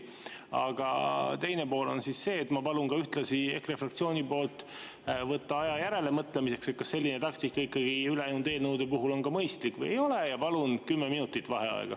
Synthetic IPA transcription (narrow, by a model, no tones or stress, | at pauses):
ɑ̰ɡ̥ɑ̰t̪e̞jne̞po̞ːlo̞̰nsisse̞ːt̪mɑpɑlunkɑyht̪lɑsie̞kre̞frɑk̚t̪sio̞ːnʲipo̞ːlt̪ˑ | vɤt̪ːɑɑjɑjæɾe̞le̞mɤt̪ːˑle̞mise̞kset̪̚kɑsːe̞lʲːinet̪ɑk̚t̪ikːˑɑikːˑɑɡ̥iyleɑjnund̪e̞ːlnəwd̪e̞puɦulo̞nkɑmɤjst̪likˑvɤ̰jejo̞le̞jɑpɑlunkymːeminut̪ːˑit̪ːˑvɑɦe̞ɑ̰ḛɡ̥ɑ̰